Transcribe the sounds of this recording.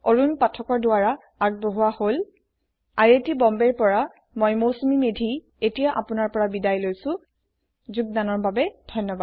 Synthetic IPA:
oɹunpatʰɔkɔɹdʊwaɹa | aɡ̚boɦuahol | aɹetibɔmbɛɹpɔɹa | mojmosumimedʱi | etijaʔapʊnaɹpɔɹabidajlojsʊ̃ | zuɡ̚danɔɹbabɛd̥ʱɔjnːɔbad

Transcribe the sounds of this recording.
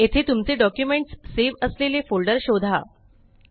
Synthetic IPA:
et̪ʰet̪umt͡seɖɔkjumeɳʈsːeʋəslelefolɖəɾɕod̪ʱa̰

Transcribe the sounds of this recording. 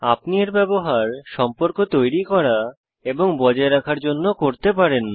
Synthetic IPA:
apnieɾbɛboɦaɾʃɔmpoɾkot̪ojɾikɔɾa | eboŋbɔd͡ʑaeɾakʰaɾd͡ʑonːokoɾt̪epaɾen

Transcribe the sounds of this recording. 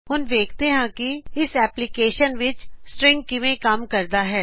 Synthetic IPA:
ɦʊnʋeːkʰt̪eɦãkiɪsɛːplɪkeːʃənʋɪt͡ʃsʈɾɪ̃ŋɡ̚kɪʋẽkamkɐɾd̪aɦɛː

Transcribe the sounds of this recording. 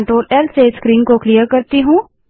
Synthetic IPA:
ɳʈɾoːlɛlseskɾiːnkoklijəɾkɐɾt̪iɦũː

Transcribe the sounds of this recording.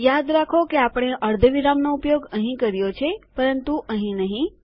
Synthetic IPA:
jad̪ɾakʰokeapɽ̃eʔəɾd̪ʱəʋiɾamnoupjoɡəɦĩkəɾjot͡ʃʰepəɾənt̪uʔəɦĩnəɦĩ

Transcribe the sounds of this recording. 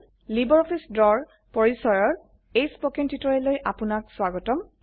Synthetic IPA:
libɔɹɔpʰisdɔɹ | pɔɹisɔɹɔɹ | ejspɔkɛntitɔɹɛlojʔapʊnak̚swaɡɔtɔm

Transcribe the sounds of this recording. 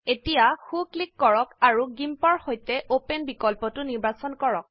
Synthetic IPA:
etijaxuklikːɔɹɔkaɹuɡimpɔɹhojtɛʔopenbikɔlpɔtʊniɹbasɔnkɔɹɔk̚

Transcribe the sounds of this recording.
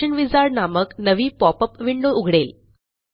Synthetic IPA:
ənʋid͡zaɾnaməknəʋiːpɔpəpʋiɳɖuuɡʱɽel

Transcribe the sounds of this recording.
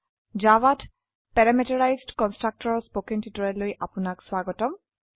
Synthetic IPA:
d͡ʒawat | pɛɹamɛtɔɹajzdkɔnstɹak̚tɔɹɔspokɛntitɔɹɛlojʔapʊnakswaɡɔtɔm

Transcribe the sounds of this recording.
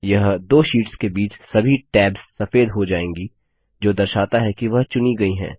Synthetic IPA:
jɐɦd̪oːʃiːʈskebiːt͡ʃsɐbʱiʈɛːbz̥sɐfeːd̪ɦod͡ʒaːẽːŋɡi | d͡ʒoːd̪ɐɾʃaːt̪aɦɛkiʋɐɦt͡ʃʊniɡɐiɦɛ̰̃ː

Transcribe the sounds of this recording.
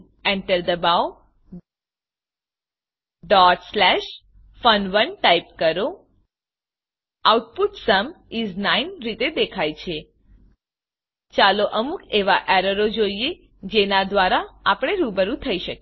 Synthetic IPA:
ɛɳʈəɾd̪əbaw | ɖɔʈslɛʃ | fənʋənʈaip̚kəɾo | auʈ̚puʈsəm | iznainɾit̪ed̪ekʰajt͡ʃʰe | t͡ʃaloʔəmukʰeʋaʔɛɾəɾod͡ʒoie | d͡ʒenad̪ʋaɾaapɽ̃eɾubəɾũt̪ʰəiʃək

